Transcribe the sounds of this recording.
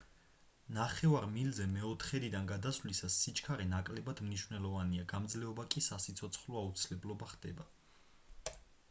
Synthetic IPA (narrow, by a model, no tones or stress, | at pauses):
naχɛvaɾmilzɛmɛɔt̪ʰχɛd̪id̪anɡad̪asvlisasːit͡ʃʰʼkʰaɾɛnakʼlɛbad̪mniʃvnɛlˠɔvaniaɡamd̪zlɛɔbakʼisasit̪sʰɔt̪sʰχlɔaut̪sʰilɛblɔbaχd̪̥ɛba